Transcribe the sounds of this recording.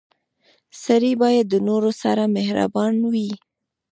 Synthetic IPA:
saɾibɑjad̪ːənoɾosa̰ɾamehɾa̰bɑnwi

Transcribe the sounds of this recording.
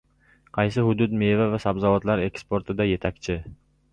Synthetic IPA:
qʰɑjs̬ɪhʊd̪ʊd̪mevavasabzɒwat̪laɾe̞kspoɾt̪ʰɪd̪aje̞t̪ʰakʲt͡ʃʰɪ

